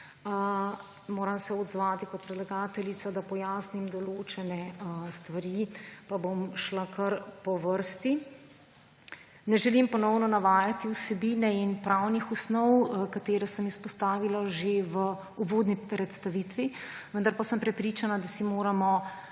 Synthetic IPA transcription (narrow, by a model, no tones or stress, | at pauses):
moːɾamsɛɔd̪zʋaːt̪ikɔt̪pɾɛd̪laɡaːt̪ɛlit̪sad̪apɔjaːsnimd̪ɔloːt͡ʃɛnɛst̪ʋaɾipabomʃlakʰɐɾpɔʋəɾst̪i | nɛʒɛlimpɔnɔwnɔnaʋaːjat̪iusɛbiːnɛinpɾawnixɔsnɔwkat̪eːɾasəmispɔst̪aːʋilaʒeʋə | uvoːd̪niɾɛt̪st̪aʋit̪ʋiʋənd̪aɾpasəmpɾɛpɾiːt͡ʃanad̪asimoːɾamɔ